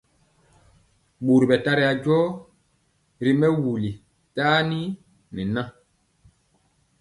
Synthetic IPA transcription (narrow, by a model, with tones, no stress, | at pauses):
ɓu˨ɾɓɛ˨ta˦ɾɛ˦ja˨ɟɔ˦ | ɾi˦mɛ˦wu˨li˨ | taː˦ni˦ | ni˨nã˦